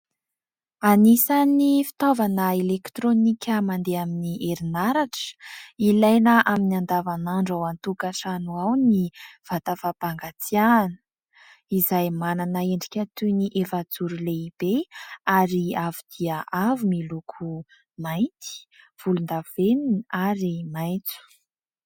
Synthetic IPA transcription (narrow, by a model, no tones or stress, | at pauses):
anisanifi̥t̪ovanəelekt̪ɾonikʲəmand̪eaminiʔeɾinaɾaʈ͡ʂə̥ilajnəʔaminiand̪avanaɳɖ͡ʐawant̪ukaʈ͡ʂanuawniv̥at̪afapaŋɡat͡sijanə̥ | izajmananaeɳɖ͡ʐikʲat̪uniʔefad͡zuɾuleib̥eaɾiavid̪̥iəʔavumilukʰu | maj̪t̪i̥ | v̥ulund̪av̥eninaɾimajnt͡su̥